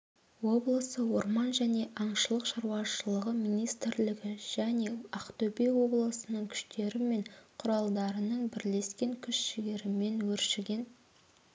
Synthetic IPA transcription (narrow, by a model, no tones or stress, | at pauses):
wo̞blˠəsəwo̞ɾmɑnʒæne̞ʔɑɴʃəlˠəqʃɑɾwɑʃəlˠəʁəmijnijst̪ɪɾlɪɡʲɪʒ̥æne̞ɑqt̪ɵpejwo̞blˠəsənəɴkʲʰʏ̥ʃt̪e̞ɾɪme̞ɴqʰʊɾɑlˠd̪ɑɾənəɴbɪɾle̞skʲe̞ŋkʲʰʏʃʃɪɡʲe̞ɾɪme̞nwɵɾʃɪɡʲe̞n